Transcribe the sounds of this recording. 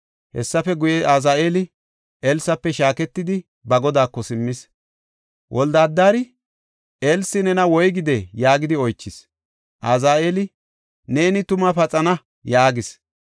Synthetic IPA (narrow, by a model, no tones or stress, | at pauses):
hɛ̰sːɐfɛɡʊjɛʔazaːʔeːlɪ | elsɐpːɛʃaːkɛt̪ːɪd̪ɪ | bɐɡɔd̪aːkːɔsɪmːɪs | wʔɔld̪aːd̪ːaːɾɪ | ʔelsːɪnɛnɐwɔjɡɪd̪ɛjaːɡɪd̪ɪɔjt͡ʃːɪs | ʔazaːeːlɪ | neːnɪt̪ʊmɐfɐt͡sʼɐnɐ | jaːɡɪs